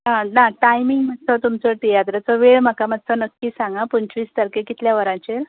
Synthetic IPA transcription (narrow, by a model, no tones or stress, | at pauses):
ɦãnaʈajmiŋɡm̤ət̪̚t͡sʰɔt̪umt͡sɔʈijat̪ɾat͡sɔʋeɭm̤akamət̪t͡sʰɔnəkːisãŋɡapuɲt͡ɕʋiːst̪əɾkekit̪ljaʋəɾãɲt͡ɕeɾ